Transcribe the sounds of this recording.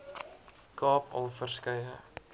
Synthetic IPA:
kɑːpɐ̰lˠfərskɐjə̰

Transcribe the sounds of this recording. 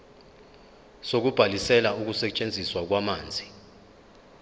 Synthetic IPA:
sok̬ub̥ʱalisɛlauk̬usɛt͡ʃʼend͡zʱiswak̬wamaːnd͡zʱi

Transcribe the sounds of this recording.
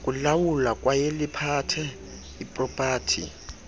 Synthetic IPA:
kʼulawulakʼwajelɪpʰatʰɛ | ipʼrɔpʼaːtʰḭ

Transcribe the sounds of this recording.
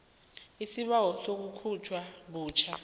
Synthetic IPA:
isiɓawɔsok̬ukʰut͡ʃʰwaɓuːt͡ʃʰa

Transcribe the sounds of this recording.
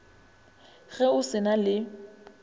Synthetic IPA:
ɣɛʊsɪnalɪ

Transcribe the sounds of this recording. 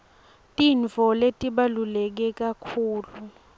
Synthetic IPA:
tʼiɱvʱɔletʼiɓalulɛk̬ɛk̬ʼakʰuːlu

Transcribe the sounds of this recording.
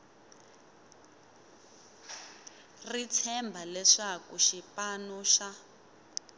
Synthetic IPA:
rit͡sʰɛmbʱalɛʂakuʃipanɔʃa

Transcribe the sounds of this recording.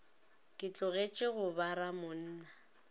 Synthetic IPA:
kʼɪt͡ɬʼʊɣet͡ʃʼɪɣʊbaɾamʊn̩ːna

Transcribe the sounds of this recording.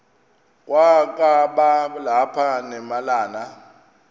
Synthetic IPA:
k̬ʼwakʼaɓalapʰanɛmalaːna

